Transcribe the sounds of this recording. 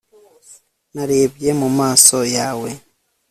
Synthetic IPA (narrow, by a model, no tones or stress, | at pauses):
naɾe̞ːbje̞mumaːso̞jaːwe̞